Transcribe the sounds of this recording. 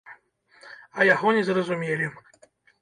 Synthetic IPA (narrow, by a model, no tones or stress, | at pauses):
ɐjaɣɔnʲɛzrɐzumʲelʲi